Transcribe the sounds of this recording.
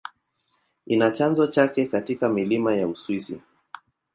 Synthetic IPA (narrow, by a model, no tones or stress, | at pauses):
inat͡ʃanzɔt͡ʃakɛkatikamilimajauswisḭ